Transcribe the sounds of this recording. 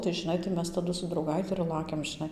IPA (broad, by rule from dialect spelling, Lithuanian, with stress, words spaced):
tɐɪ ʒɨˈnɐɪ tɐɪ ˈmʲɛs tɐˈdʊ sʊ drɐʊˈɡɐɪtʲɪ ɪr ˈlˠɑːkʲɛm ʒʲɪˈnɐɪ